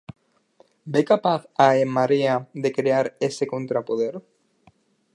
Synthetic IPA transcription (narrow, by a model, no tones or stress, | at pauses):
bekapaθaemːaɾiaðe̞kɾeaɾeseko̞nt̪ɾapoð̞eɾ